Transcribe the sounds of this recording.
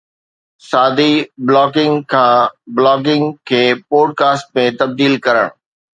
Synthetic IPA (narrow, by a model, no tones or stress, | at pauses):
saːd̪iblɔːkɪ̃ŋɡkʰãːblɔːk̬ɪ̃ŋɡkʰeːpoːɖ̚kaːsʈ̚mẽt̪ɐb̚d̪iːlkɐɾə̰ɽ̃